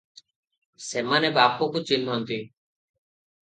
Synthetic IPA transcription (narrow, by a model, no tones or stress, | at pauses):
seːmaːneːbaːpoːkut͡ʃɪnːɦənt̪iː